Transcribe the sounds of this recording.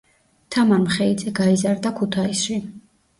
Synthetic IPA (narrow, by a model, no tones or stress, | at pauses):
t̪ʰamaɾmχɛid̪zɛɡaizaɾd̪akʰut̪ʰaisʃi